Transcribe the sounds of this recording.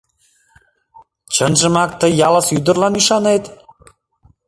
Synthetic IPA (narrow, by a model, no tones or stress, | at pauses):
t͡ɕənʒə̆mɑk̚t̪əjːɑləsyd̪ə̆ɾlɑnyʃɑnet̪